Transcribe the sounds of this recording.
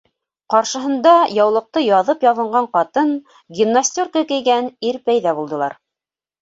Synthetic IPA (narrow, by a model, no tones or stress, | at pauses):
qɑɾʃɤ̆ɦɤ̆nd̪ɑjɑwlˠɤ̆q̚t̪ɤjɑðɤpjɑðɤ̆ɴɢɑɴqɑt̪ɤn | ɡʲinːasʲt̪ʲorkəkɘ̆jɡæniɾpæjðæbulˠd̪ɤ̆lˠɑ̰ɾ